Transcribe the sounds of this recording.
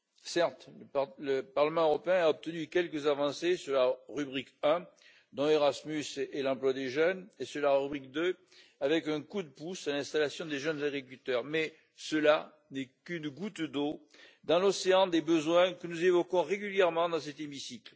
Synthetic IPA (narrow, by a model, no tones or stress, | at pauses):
sɛʁt̪lələpaʁləmɑ̃øʁɔpeɛ̃aɔp̚t̪ənykʲɛlkəzavɑ̃sesyʁlaʁybʁikɛ̃ | d̪ɔ̃eʁasmysɛlɑ̃plwad̪eʒœnesəʁlaʁybʁik̚d̪ø | avɛkɛ̃kud̪əpusalɛ̃st̪alasjɔ̃d̪eʒœnzaɡʁikʲylt̪œʁmɛ | səla | nɛkynɡut̪d̪o | d̪ɑ̃lɔseɑ̃d̪ebəzwɛ̃kənuzevɔkɔ̃ʁeɡʲyljɛʁmɑ̃d̪ɑ̃sɛt̪emisikl